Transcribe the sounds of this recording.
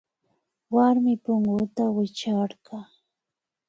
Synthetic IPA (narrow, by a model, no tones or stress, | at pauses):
waɾmɪpʊŋɡʊt̪awɪt͡ʃaɾɢɑ